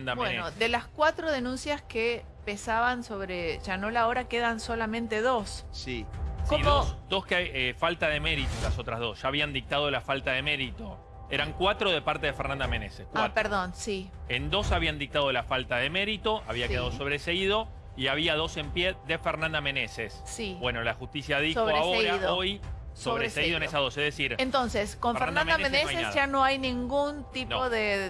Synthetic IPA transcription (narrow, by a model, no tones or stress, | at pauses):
nd̪abwenod̪elaskwat̪ɾoðenũnsjaske | pesaβanso̞βɾeʒ̥ano̞laoɾakeðansolamẽnt̪eðo̞ssikomosd̪o̞skefalt̪aðeme̞ɾit̪olaso̞t̪ɾazðo̞sʒ̥aːβ̞iand̪ik̚t̪að̞o̞lafalt̪aðe̞me̞ɾit̪o̞ | eɾaŋkwat̪ɾoð̞e̞paɾt̪e̞ðefeɾnãnd̪amẽnesekaapeɾðonsi | end̪o̞saβiand̪ik̚t̪að̞o̞lafalt̪aðeme̞ɾit̪o̞ʔaβiakeðaðoso̞βɾeseiðo̞ | iaβiað̞o̞se̞mpjeðefeɾnãnd̪amẽ̞nesessibwe̞no̞laxust̪isjaðisoβoɾeaoɾaðoojsoβɾeseiðoenesaðo̞sehðesiɾent̪onseskoɱfɾneɾanãmed̪aneeneoajenaðʒanoajnĩŋɡunt̪inooðe